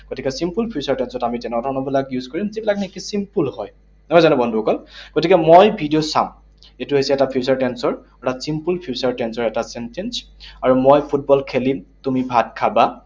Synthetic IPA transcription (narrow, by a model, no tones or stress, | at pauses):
ɡ̥otikɛsimpulpʰjusaɹtɛnsɔtamitɛnɔdʱɔɹnɔbilakjuzkɔɹimzibilaknekisimpulhɔj | ɔjzanɛbɔndʱuɔkɔlɡ̥otikɛmojbʱidijosã̰m | etuɦejsɛɛtapʰiusaɹtɛnsɔɹ | ɔtasimpulpʰjusaɹtɛnsɔɹɛtasɛntɛns | aɹumojpʰut̚bɔlkʰelimtumibʱat̚kʰaba